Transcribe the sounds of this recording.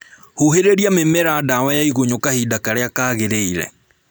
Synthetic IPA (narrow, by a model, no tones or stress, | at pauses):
huheɾeɾiamemɛɾaːdawajaiɣoɲokahidakaɾeakaːɣeɾeiɾɛ̰